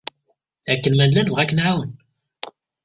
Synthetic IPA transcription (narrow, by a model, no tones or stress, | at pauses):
ækːənmænlænvʁækːənʕawən